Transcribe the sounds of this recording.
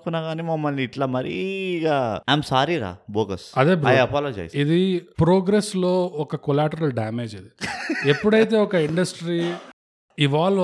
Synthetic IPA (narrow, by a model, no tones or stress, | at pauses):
kunːaːɡaːniːmɐmːɐlniːʈlaːmɐɾḭɡaːɐjmsaːɾiɾa̰ːboːɡɐsɐd̪eːbɾojaɐpaːlɐd͡ʒɐ̰jid̪ipɾoːɡɾeslo̞ːɔkɐkɔlaːʈɐɾɐlɖaːme̞ːd͡ʒid̪iepːuɽɐjit̪̬e̞ːɔkɐiɳɖɐsʈɾi | iʋaːɭ